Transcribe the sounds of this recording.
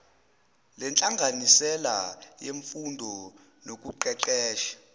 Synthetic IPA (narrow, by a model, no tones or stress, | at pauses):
lɛnt͡ɬʼaŋɡʱanisɛlajeɱfundʱɔ | nok̬ʼuǃɛǃɛːʃḁ